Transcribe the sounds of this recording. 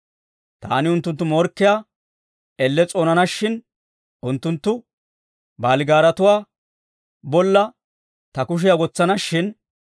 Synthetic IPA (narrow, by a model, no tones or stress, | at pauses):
t̪a̰ːnɪʊnt̪ːʊnt̪ːʊmoːɾkːɪjaː | ɛlːɛt͡sʼoːnɐnɐʃːɪn | ʔʊnt̪ːʊnt̪ːʊ | baːlɪɡaːɾɐt̪ʊwaː | bɔlːɐ | t̪ɐkʊʃ̬ɪjaɡɔt͡sːɐnɐʃːɪn